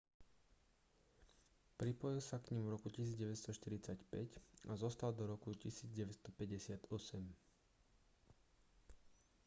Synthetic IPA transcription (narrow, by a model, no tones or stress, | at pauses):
pɾipɔjilsakɲimvɾɔkucisiːd͡zɟɛʋɛt̪st̪ɔʃt̪iɾit͡sacpɛcazɔst̪ald̪ɔɾɔkucisiːd͡zɟɛʋɛt̪st̪ɔpɛɟɛsɪat̪ɔsɛm